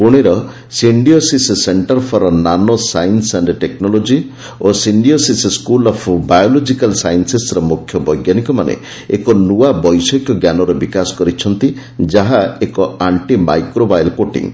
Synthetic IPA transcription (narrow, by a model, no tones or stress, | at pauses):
puɽ̃eɾɔ | siɳɖiosisseɳʈɔɾpʰɔɾɔnanɔsajnsenɖeʈeknɔlod͡ʒi | osiɳɖiosisskulɔpʰbajolod͡ʒikalsajnsesɾɔmukʰːjɔbɔjɡjanikɔmanḛ | ḛkɔnuabɔjsɔkjɔɡjanɔɾɔbikasɔ̥kɔɾit͡ʃʰɔnt̪i | d͡ʒaɦaekɔaɳʈima̰jkɾobajlkoʈḭ̃ŋ